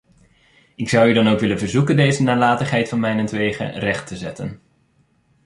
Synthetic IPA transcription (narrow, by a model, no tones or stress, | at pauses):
ɪksʌwydɑnowkʋɪlənvəɹzukəndejzənaːlaːtəχɦɛjtfɑnmɛjnɛntʋejχə̰rɛχtəzɛtən